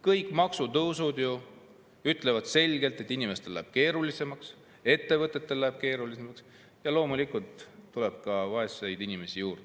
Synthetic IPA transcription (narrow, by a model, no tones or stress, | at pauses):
kɤjkːˑmɑksut̪ɤwsud̪̥ju | yt̪ːˑle̞vɑd̪̥se̞lʲɡ̥e̞lt̪ˑe̞t̪ːinime̞st̪e̞læ̰ːb̥ke̞ːɾulise̞mɑks | e̞t̪ːe̞vɤt̪ːˑe̞t̪ːe̞lːæeb̥̚ke̞ːɾulisemɑks | jɑlo̞ːmulikult̪ːule̞b̥̚kɑvɑesejd̪inime̞sijuːrd̪̥e